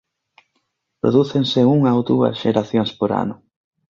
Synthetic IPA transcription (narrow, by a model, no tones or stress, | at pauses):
pɾo̰ðuθenseuŋaowd̪uɐ̰sʃeɾaθjoŋspoɾa̰nʊ